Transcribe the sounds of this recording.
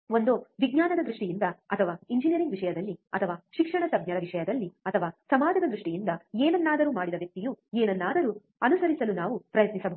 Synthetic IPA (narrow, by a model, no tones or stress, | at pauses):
o̞nd̪oʋiɡɲaːnɐd̪ɐd̪ɾuʂʈijind̪ɐɐt̪ʰɐʋaːiɲd͡ʒinijɐɾiŋɡʋiʂɐjɐd̪ɐlːiɐt̪ʰɐʋaːʃikʂɐɳɐsɐbɲɐɾɐʋiʂɐjɐd̪ɐlːiɐt̪ʰɐʋaːsɐmaːd͡ʒ̪ɐd̪ɐd̪ɾuʂʈijind̪ɐeːnɐnːaːd̪ɐɾuːmaːɽid̪ɐʋjɐk̚t̪ijueːnɐnːaːd̪ɐɾuː | ɐnusɐɾisɐlunaːʋupɾɐjɐt̪nisɐb